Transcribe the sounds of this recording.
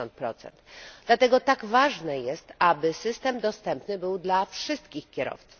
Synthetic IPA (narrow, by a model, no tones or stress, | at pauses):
ɔnt̪̚pɾɔt̪sɛ̰nd̪d̪lat̪ɛɡɔt̪aɡvaʐnɛjɛst̪abɘsɘst̪ɛmd̪ɔst̪ɛmpnɘbɘwd̪lafʂɘst̪kʲixkʲɛɾɔ̰ft̪su̥f